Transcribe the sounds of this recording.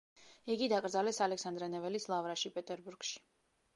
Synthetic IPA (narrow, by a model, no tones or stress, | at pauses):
iɡid̪akʼɾd̪zalɛsalɛksand̪ɾɛnɛvɛlislˠavɾaʃipʼɛt̪ʼɛɾbuɾɡ̥ʃi̥